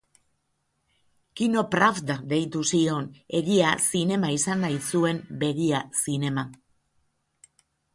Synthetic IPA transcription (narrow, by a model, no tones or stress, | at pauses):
kino̞pɾafd̪aðe̞jt̪usio̞ne̞ɣiasine̞maisanːajsue̞mbe̞ɣiasine̞ma